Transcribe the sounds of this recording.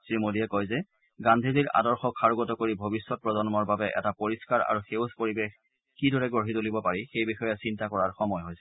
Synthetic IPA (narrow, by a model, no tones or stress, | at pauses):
sɹimodiɛkɔjzɛ | ɡandʱiziɹa̰dɔɹxɔkʰːaɹuɡɔtɔkoɹibʱobisːɔt̚pɹɔzɔnɔmɔɹbabɛʔɛ̰tapoɹiskaɹa̰ɹuxewspoɹibex | kidʱɔɹɛɡoɦitolibɔpaɹixejbixɔjasintakɔɹaɹxɔmɔjɦɔjsɛ̥